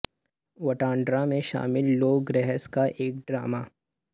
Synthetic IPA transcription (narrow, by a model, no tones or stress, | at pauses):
wɐʈãːɳɖɾamẽʃa̰ːmɪlːoːɡɾɛɦəskaʔeːk̚ɖɾaːmaː